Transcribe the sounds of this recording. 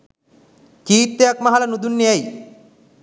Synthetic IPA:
kiːt̪ːejakmaɦalɐnud̪unːeɛj

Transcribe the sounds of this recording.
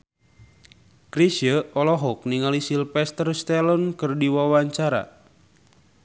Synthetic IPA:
kɾisjəɔlɔɦɔk̚niŋalisilpɛst̪ərst̪ɛlɔnkɨrdiwawaɲt͡ʃaɾa̰

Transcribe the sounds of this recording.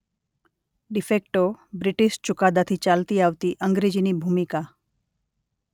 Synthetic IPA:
ɖifek̚ʈobɾɪʈiʃt͡ʃʊkad̪at̪ʰit͡ʃalt̪iaʋt̪iʔəŋɡɾed͡ʒinibʱumika

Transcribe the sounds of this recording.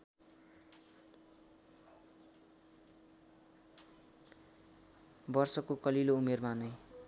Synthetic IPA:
bʌrsʌkokʌliloumermanʌj

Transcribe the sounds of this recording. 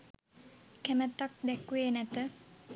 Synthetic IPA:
kæmət̪ːak̚d̪ɛkːuenæt̪ə

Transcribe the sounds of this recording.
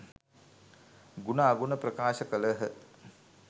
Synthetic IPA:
ɡunaːɡunəprɐkaːʃəkələɦə

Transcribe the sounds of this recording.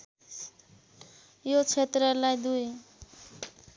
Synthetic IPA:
jot͡sʰet̪rʌlajd̪uj

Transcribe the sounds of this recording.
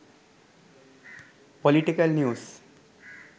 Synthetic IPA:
poliʈikəlnjuːs

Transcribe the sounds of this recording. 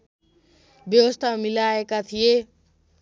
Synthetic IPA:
bjʌwəst̪ʰamilaːekat̪ʰije

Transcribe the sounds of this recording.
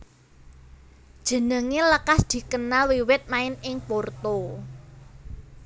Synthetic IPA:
d̥ʒ̥ə̤nəŋeləkasd̪̥i̤kənalwiwɪt̪̚maɪnɪŋport̪o

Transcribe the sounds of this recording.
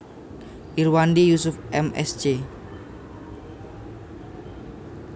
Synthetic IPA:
ʔiɾwandijusʊfʔɛmɛ̰sd͡ʒe

